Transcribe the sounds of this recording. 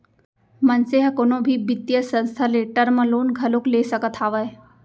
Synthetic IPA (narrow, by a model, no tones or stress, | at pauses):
mənseɦɐkonõbʱibɪt̪jəsə̃nst̪ʰaleʈəɾməloːnɡʱɐlokleːsəkət̪ʰaːʋəe